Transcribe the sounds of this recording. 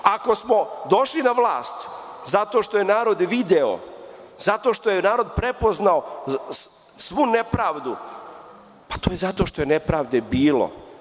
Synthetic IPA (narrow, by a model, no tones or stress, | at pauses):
ako̞smo̞d̪o̞ʃlinaʋlˠaːst̪ | zat̪o̞ʃt̪o̞je̞naːɾo̞d̪ʋid̪eo̰ | zat̪o̞ʃt̪o̞jenaːɾo̞d̪pɾe̞po̞znao | sʋunepɾaːʋd̪u | pḁt̪oːje̞zat̪o̞ʃt̪o̞jenepɾaːʋd̪ebiːlo̰